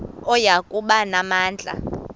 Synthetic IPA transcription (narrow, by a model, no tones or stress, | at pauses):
ɔjakʼuɓanamaːnd͡ɮʱa̰